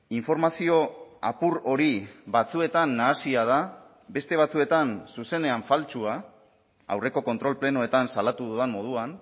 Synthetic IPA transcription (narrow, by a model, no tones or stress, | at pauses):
iɱfo̞ɾmasio̞a̰puɾo̞ɾiβat͡sue̞t̪anːaːsiað̞a | be̞st̪e̞β̞at͡sue̞t̪ansuse̞ne̞aɱfalt͡ʃua | a̰wre̞ko̞ko̞nt̪ɾo̞lple̞noe̞t̪ansalat̪uðuðenmo̞ð̞uan